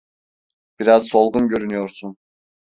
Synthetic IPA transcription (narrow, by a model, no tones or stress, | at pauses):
b̥iɾazso̞lˠɡumɟø̞ɾynyjoɾsun